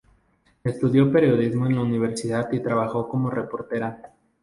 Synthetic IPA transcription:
e̞st̪uðjo̞pe̞ɾjo̞ðizmo̞e̞nlauniβ̞e̞ɾsiðat̪it̪ɾaβaxo̞ko̞mo̞re̞po̞ɾt̪e̞ɾa

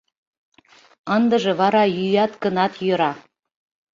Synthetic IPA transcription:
ənd̪ə̆ʒĕβɑɾɑjyjɑt̪ɡə̆nɑt̪jø̆ɾɑ

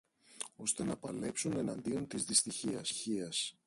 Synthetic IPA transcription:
o̞st̪e̞nɐpɐle̞psune̞nɐnd̪io̞nt̪izðist̪içiɐsçiɐs

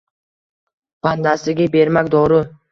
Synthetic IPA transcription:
b̥and̪asɪɡʲabe̞ɾmakʲd̪ɒɾʊ

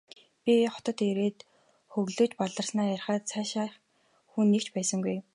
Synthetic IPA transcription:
pʲiχɔ̥t̪ɞ̆t̪eɾeːt̪ | xɵɣɮoːt͡ɕpɔɮə̆rsnaːjærχaːt̪sʰaːʃaː | xunːekt͡ɕpæːsə̆ŋɡuj

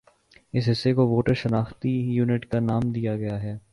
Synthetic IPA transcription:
ɪs̬ɦɪsːekoʋoːʈəɾʃɐnaːxt̪ijuːnɪʈkanaːmd̪ijaɡɐjaɦɛː

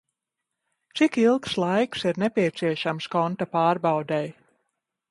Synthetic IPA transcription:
t̪sikilˠkslˠajksiɾnɛpiɛt̪siɛʃamskɔnt̪apaːɾbawd̪ɛj

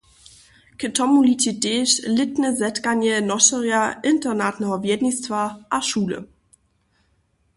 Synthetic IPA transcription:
kətʰɔmulititeːʃlɪtnəzɛtkanɛnɔʃɛʁjaʔɪntɛnatnɛɦɔvjɛdnistvaʔaʃuːlə̰

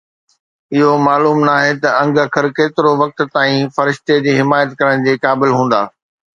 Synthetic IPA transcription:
ɪɦomaːluːmnaːɦet̪ɐɐ̃ŋɡəkʰəɾkeːt̪ɪɾoʋɐk̚t̪t̪aːĩfɐɾɪʃt̪ed͡ʑiːɦɪmaːjət̪kɐɾəɽ̃d͡ʑeːkaːbɪlɦũːn̆d̪a̰ː

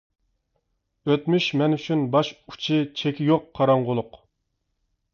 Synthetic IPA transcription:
øt̪myʃmɛnyt͡ʃʰynbɑʃu̥t͡ʃʰɪt͡ʃʰekʲijoqʰːɑɾɑɴʁʊlˠʊq

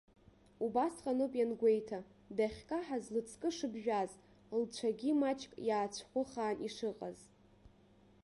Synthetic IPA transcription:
ubasqʼanopʼjanɡʷejtʰa | daχʲkʼaħazlɨt͡sʰkʼɨʂɨbʒᶣaz | lt͡ɕʷʰaɡʲimat͡ʃʰʼkʼjaːt͡ɕʷʰχʷʊχaːniʂɨqʼa̰z

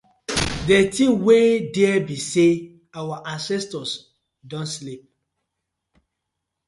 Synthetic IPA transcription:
detiwediɛbise | awaʔãnsɛstɔs | dɔ̃nslip̚

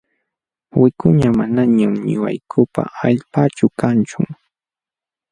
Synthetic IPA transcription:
wɪkʊɲamanaɲamɲʊwa̰jkʰʊpa̰aʎpat͡ʃʊkant͡ʃʊ

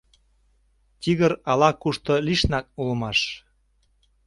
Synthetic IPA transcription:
t̪ʲiɣəɾɑlɑkuʃt̪oliʃnɑk̚ulə̆mɑʃ

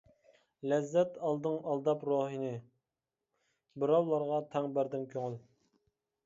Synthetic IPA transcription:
lɛzːɛt̪ɑlˠd̪ɨŋɑlˠd̪ɑpɾoːɦinɨ | bɨɾɑwlˠɑɾʁɑt̪ʰɛŋbæɾd̪ɪnkʲʰøŋɪl

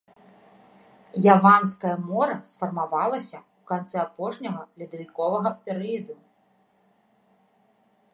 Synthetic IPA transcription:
javanskɐjɐmɔɾɐsfɐrmavalˠɐsʲɐukant̪sɛapɔʂnʲɐɣɐlʲid̪ɐvʲikɔvɐɣɐpʲɛɾɨjɐd̪u

